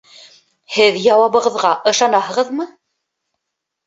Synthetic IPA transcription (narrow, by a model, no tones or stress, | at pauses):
hɘðjɑwɑβɤ̆ʁɤ̆ðʁɑʔɤ̆ʃɑnɑhɤ̆ʁɤðmɤ